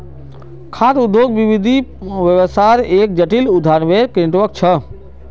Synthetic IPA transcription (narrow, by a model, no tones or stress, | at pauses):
kʰaːt̪ʊd̪ʱjoːɡʋiʋid̪ʱiʋəʋəsaɾeːk̚d͡ʒəʈilʊd̪ʱaːnʋeɾkɾɪ̃ɳʈʋək̚t͡ʃʰə